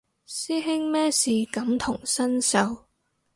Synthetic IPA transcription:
siː˥ɦɪ˥ŋmɛː˥siː˨˩kɐ˨˥mt̪ʰʊ˨˩ŋsɐ˥nsɐ˨˧w

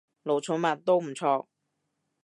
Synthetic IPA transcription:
lo˨˩wt͡sʰʊ˨˥nmɐ˨˩t̚t̪o˥wm̩˨˩t͡sʰɔː˧

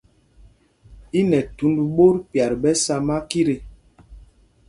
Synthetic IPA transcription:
i˦nɛ˨tu˨˦ndu˨ɓo˦ɾpja˨ɾɓɛ˦sa˦ma˦ki˦ɾe˨

